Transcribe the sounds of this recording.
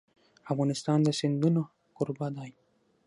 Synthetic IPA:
avɣanist̪aːnd̪esind̪uno | kuɾbad̪aj

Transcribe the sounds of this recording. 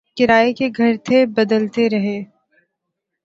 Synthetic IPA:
kɪɾaːekeɡʱɐɾt̪ʰebɐd̪əlt̪eɾɐɦeː

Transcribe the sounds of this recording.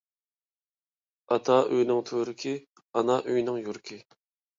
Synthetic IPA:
ɑt̪ʰɑʔøjnɪŋt̪ʰøɾɪkʰʲi | ɑnɑʔøjnɪŋjuɾkʲʰɪ

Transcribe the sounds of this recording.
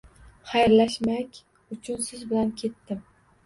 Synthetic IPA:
χajɾlaʃmakʲ | ʊt͡ʃʰʊnsɪzbɪlankʲʰe̞t̪ːɪm

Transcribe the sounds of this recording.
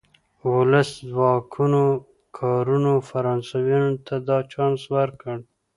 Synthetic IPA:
wʊləszwɑkʰuno | kʰɑɾunofaɾɑnsawɑnot̪ʰad̪ɑt͡ʃɑnswaɾkəɽ

